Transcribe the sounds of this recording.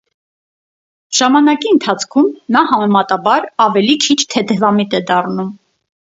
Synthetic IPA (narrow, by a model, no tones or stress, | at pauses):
ʒ̥ɑmɑnɑkiənt̪ʰɑt͡sʰkʰumnɑhɑmɛmɑt̪ɑbɑɾɑvɛlikʰit͡ʃʰt̪ʰɛd̪ɛvɑmit̪ɛd̪ɑrnum